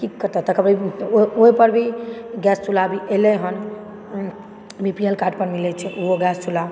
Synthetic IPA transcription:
kikːəɾt̪at̪əkəbɾioipəɾbʱiɡɛst͡ʃʰulabʱiʔelɛɦən | bʱipiəlkaʈpəɾmilɛt͡ʃʰɛʔuɦoɡɛst͡ʃʰula

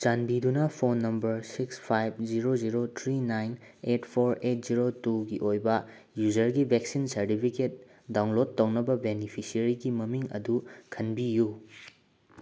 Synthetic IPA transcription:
t͡ʃanbidunɐpʰonːɐmbɐɾsikspʰajb̚ziɾod͡ʒiɾot̪ʰɾinajn | etpʰoɾet̚ziɾotuɡiʔojbɐ | juzɐɾɡibʱeksinsɐɾtipʰiket̚ | dawnlod̚tːɐwnɐbɐbenipʰisiɐɾiɡimɐmiŋɐ̰dukʰɐnbiju

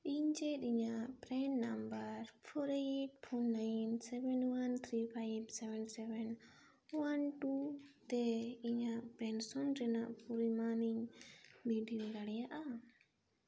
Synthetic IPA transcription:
iɲd͡ʒɛt̪iɲaʔʔpɾɛnːambaɾpʰɔɾiʈ̚pʰɔnːajnsɛbɛnwant̪ʰɾipʰajbsɛbɛnsɛbɛn | wanʈut̪ɛiɲaʔpɾɛnsɔnɾɛnaʔpuɾimaniɲbiɖilɡaɽɛjaʔa

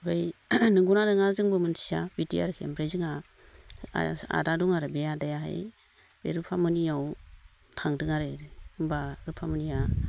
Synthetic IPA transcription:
bajnɯɡunaɾɯŋazɯŋbɯmɯntʰi̥sabitia̰ɾɯkʰembɾejzɯŋa | a̰daduŋaɾɯbeadajaɦa̰j | bḛɾɯpʰamɯnijaw | tʰaŋdɯŋaɾeɾɯbaɾɯpʰamɯnija

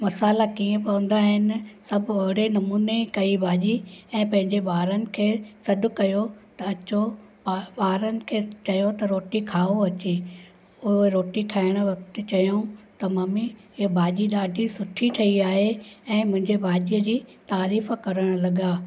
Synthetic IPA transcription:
mɐsaːlakiːẽpɐʋə̃nd̪aɦɪnɪ̆sɐbʱɐɦɪɽenɐmuːnekɐibʱaːʄiɛ̃ːpɐ̃ɦɪ̃ɲd͡ʑebaːɾənɪ̆kʰeːsɐɖʱʊ̆kɐjot̪ɐɐt͡ɕo | ɓaːɾənɪ̆kʰeːt͡ɕɐjot̪ɐɾoːʈikʰaːoɐt͡ɕe | ʊeɾoːʈikʰaːɪɽ̃ʋɐkt̪ɪt͡ɕɐjoũt̪ɐmaːmi | bʱaːʄiɗaːɖʱisʊʈʰiʈʰɐiaːɦeɛ̃ːmʊ̃ɦɪ̃ɲd͡ʑebʱaːʄijəd͡ʑiːt̪aːɾiːfkɐɾəɽ̃lɐɠaː

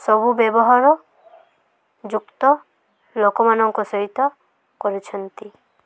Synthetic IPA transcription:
sɔbubjebɔɦaɾɔ | d͡ʒukt̪ɔ | lokɔmanɔŋkɔsɔɦit̪ɔ | kɔɾit͡ʃʰɔnt̪i

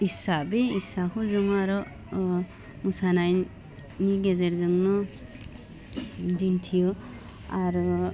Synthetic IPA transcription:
isabeisakʰuzuŋaɾɔ | musanaj | niɡezeɾzɯŋnɔ | dintʰijɯ | aɾɔ

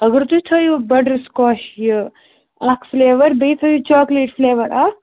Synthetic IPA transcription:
ɐɡɾt̪ut̪ʰojubɐɖɾiskɔːʃjə | akfleːʋɐɾbet̪ʰɐjut͡ʃɔːkleːʈfleːʋɐɾaː

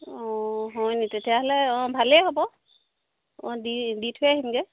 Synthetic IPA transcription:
ɔ̃ɦɔjnitetijaɦɔlɛɔ̃bʱalɛɦobɔ | ɔ̰̃diditʰʊjaɦimɡɛ

